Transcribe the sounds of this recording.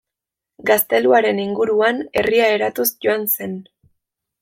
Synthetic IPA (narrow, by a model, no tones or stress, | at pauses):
ɡast̪e̞luaɾe̞niŋɡuɾuane̞riae̞ɾat̪usʝo̞anse̞n